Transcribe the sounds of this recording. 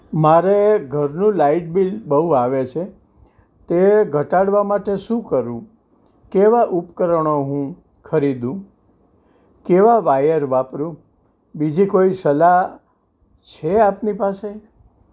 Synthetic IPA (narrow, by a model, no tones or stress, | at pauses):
maɾeɡʱəɾnũlaiʈ̚bilbəɦuaʋet͡ʃʰe | t̪eɡʱəʈaɽʋamaʈeʃũkəɾũ | keʋaʔupkəɾəɳ̃oɦũ | kʰəɾid̪ũ | keʋaʋajəɾʋapɾũ | bid͡ʒikoisəla | t͡ʃʰeapnipase